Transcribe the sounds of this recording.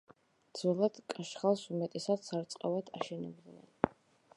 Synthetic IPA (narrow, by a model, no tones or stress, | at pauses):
d̪zvɛlˠad̪̥kʼaʃχalˠsumɛt̪ʼɛsat̪saɾt̪sʼqʼavad̪ʰaʃɛnɛblˠuɛ̰n